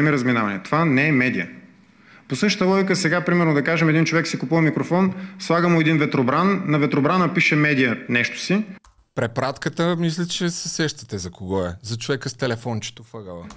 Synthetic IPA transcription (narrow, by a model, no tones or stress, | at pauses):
ɛmiɾəzminavɐnɛt̪ovanɛɛmɛd̪iə̰ | posɤʃt̪t̪əlˠɔɡikəsɛɡapɾimɛɾnod̪ɐkaʒɛmɛd̪int͡ʃovɛksikupuvɐmikɾofɔnslˠaɡəmʊɛd̪invɛt̪ɾobɾanːɐvɛt̪ɾobɾanəpiʃɛmɛd̪ijənɛʃt̪ʊ̥si | pɾɛpɾat̪kət̪əmis̬lʲət͡ʃɛsɛsɛʃt̪ɐ̥t̪ɛzɐkoɡɔɛzɐt͡ʃovɛkəst̪ɛlɛfɔnt͡ʃɛ̥t̪ofəɡəlˠə